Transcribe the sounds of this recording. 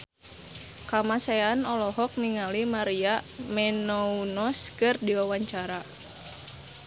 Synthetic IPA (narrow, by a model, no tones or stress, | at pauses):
kamasaanɔlɔɦɔk̚niŋalimaɾiamɛnɔunɔskɨrdiwawaɲt͡ʃaɾa